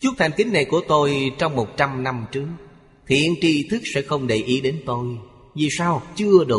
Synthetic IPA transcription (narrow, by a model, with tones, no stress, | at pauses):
t͡ɕʊ˦˥t̪ʰa˨˩jŋ̟kï˨˦ŋ̟na˨˩jku˧˩ət̪o˧jt͡ɕɔ˧wŋ͡mmo˨˩t̚t͡ɕa˧mna˧mt͡ɕɨ˦˥ək̚ | t̪ʰḭ˧˨ənt͡ɕi˧t̪ʰɨ˦˥k̚sɛ̰˧˥xə˧wŋ͡mɗe˨˩jʔi˨˦ɗe˨˦nt̪o˧j | vi˨˩saː˧wt͡ɕɨ˧əɗɨ˨˩ə